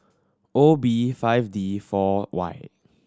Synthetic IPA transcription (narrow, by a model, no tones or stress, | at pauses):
ʔobifaɪfdifɔwa̰j